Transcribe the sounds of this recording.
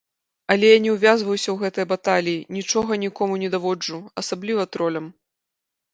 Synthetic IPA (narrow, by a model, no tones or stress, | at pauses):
ɐlʲɛjanʲɛwvʲazvɐjwsʲɐwɣɛt̪ɨjɐbat̪alʲijinʲit͡ʂɔɣɐnʲikɔmunʲɛd̪avɔd͡ʐuɐsablʲivɐt̪ɾɔlʲɐm